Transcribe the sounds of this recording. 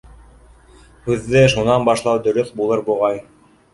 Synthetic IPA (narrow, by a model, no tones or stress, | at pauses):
hʉðːɘʃunɑnbɑʃlˠɑwd̪ɵ̆ɾɵθbulˠɤɾbuʁɑj